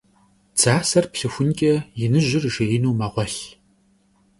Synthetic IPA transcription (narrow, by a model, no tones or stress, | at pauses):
t͡saːsɐrpɬɨxʷʊnkʲʼɐjɪnɨʒɪrʒeɪnuːmɐʁʷɔɬ